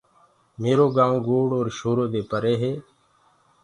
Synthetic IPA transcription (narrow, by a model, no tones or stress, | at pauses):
meːɾoːɡãːɡoːɽoːɾʃoːɾoːd̪eːpəɾeːɦeː